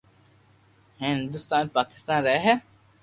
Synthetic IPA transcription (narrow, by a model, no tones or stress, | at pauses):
hĩind̪ust̪aːnepaːki̥st̪aːnɾæːɦæ